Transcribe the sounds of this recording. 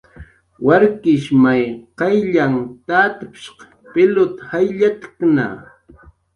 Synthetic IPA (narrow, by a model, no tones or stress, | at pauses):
waɾkɪʃmajqɑjʎaŋt̪at̪apʃq | pɪlʊt̪hajʎat̪kna̰